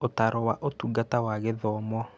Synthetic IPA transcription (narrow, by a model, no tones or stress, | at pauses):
otaɾɔwaʔotuɡatawaɣeðɔmɔ